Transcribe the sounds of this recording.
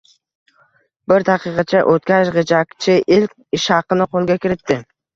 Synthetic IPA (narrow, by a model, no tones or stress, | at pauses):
bɪɾt̪ʰɑqɨqʰɑt͡ʃʰaʔot̪̚kʲaʃʁed͡ʒakʲt͡ʃʰɪʔɪlkʲɪʃhɑqɨnɪqolˠɡʲakʲʰɪɾɪt̪ːɪ